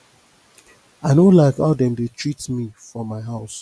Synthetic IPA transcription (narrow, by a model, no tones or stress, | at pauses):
aɪnolaɪkadɛ̃ndetʰɹitmifɹɔ̃mːaɪɦaʊs